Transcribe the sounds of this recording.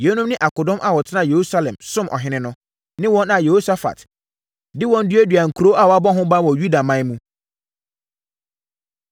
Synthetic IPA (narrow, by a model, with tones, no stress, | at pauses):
je˨˦nũ˦mnɪ̃˦ʔa˨ko˨dɔ̃˦mʔa˦wɔ˨tʰɪ˦nã˦˨je˨ɾu˦sa˦lɛ̃˨msʊ̃˦mʔɔ̰˨ɦɪ̃˦nɪ̃˦nʊ̃˦ | nɪ̃˦wɔ̃˦nã˨je˨ho˦sa˦fa̰˨t | dɪ˦wɔ̃˦n̩˦dɪ˦e˦dɥa˨ŋ̩˨kʰu˨ɾo˦ʔa˦˨wɔ˨a˦bɔ˦ɦʊ̃˦bã˦wɔ̃˨ju˦da˨mã˦mũ˦